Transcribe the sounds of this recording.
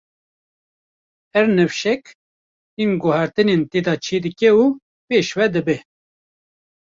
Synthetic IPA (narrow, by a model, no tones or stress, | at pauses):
hɛɾnɛfʃɛk̪ | inɡʊhæɾt̪ɨneːnt̪eːd̪ɑt͡ʃʰeːd̪ɨkɛuː | peːʃwɛd̪ɨbɛ